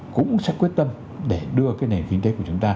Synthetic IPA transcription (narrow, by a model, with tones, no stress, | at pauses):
kʊ̰˧˥ŋ͡msɛ̰˦˥k̚wi˦˥ət̚t̪ə˧m | ɗe˧˩ɗɨ˧əkaː˨˦jne˨˩nkï˧ŋe˨˦ku˧˩ət͡ɕʊ˨˦ŋ͡mt̪aː˧